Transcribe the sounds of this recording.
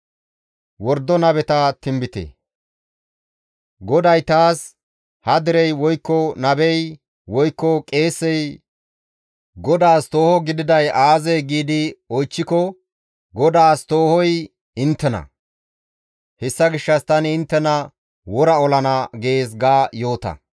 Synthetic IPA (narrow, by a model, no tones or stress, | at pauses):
wɔɾd̪ːɔnɐbɛt̪ɐt̪ɪmbɪt̪ḛ | ɡɔd̪ɐjt̪aːs | hɐd̪ɪɾɛjwɔjkːɔnɐbɛj | wɔjkːɔkʼe̞ːsːɛj | ɡɔd̪aːst̪oːhɔɡɪd̪ɪd̪ɐjaːzɛjɡiːd̪ɪɔjt͡ʃːɪkɔ | ɡɔd̪aːst̪o̞ːhɔj | ɪnt̪ːɛnɐ̰ | hɛsːɐɡɪʃːɐst̪ɐnɪnt̪ːɛnɐ | wɔɾɐɔlɐnɐɡe̞ːsɡaːjo̞ːt̪ɐ̰